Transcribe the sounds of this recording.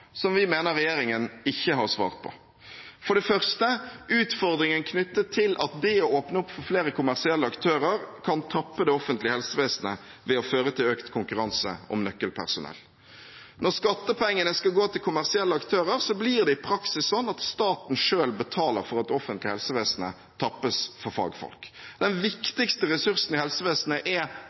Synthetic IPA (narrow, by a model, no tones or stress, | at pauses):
sɔmʋɪmeːnəɾʁːɛjeːɾɪŋənɪçːəɦɑʁsʋɑ̰ːʁt̪̚pʰɔ̰ | fɔɖɛfœʁst̪əʉːt̪fɔʁd̪ɾɪŋənkʰnʏt̪ːətʰɪlʔɑt̪̚d̪ɛɔoːpnəʊpːfɔɾfleːɾəkʰʊmæʁsɪɛlːəɑkt̪ʰøːɾəɾkʰɑnt̪ʰɑpːəd̪ɛɔfənt̪lɪəhɛlsəʋeːsnə̰ | ʋɛɔføːʁət̪ʰɪløːkt̪kʰʊŋkʉɾɑnsə̰ɔ̰mnœkːəlpʰæ̰ʁsʊnɛ̰lː | nɔʁskɑt̪ːəpʰɛŋːənəskɑlɡoːt̪ʰɪlkʰʊmæʁsɪɛlːəɑkt̪ʰøːɾəɾsɔbliʁd̪ɛɪpʰɾɑksɪsːɔnːɑt̪st̪ɑːt̪n̩ʂøːlbət̪ʰɑːləɾfɔɾɑt̪ɔfənt̪lɪəhɛlsəʋeːsnə̰ | t̪ʰɑpːəsfɔɾfɑ̰ːɡfɔ̰lkd̪ɛnʋɪkt̪ɪkst̪əɾɛsʉɾsn̩ɪhɛlsəʋeːsnəʔɛ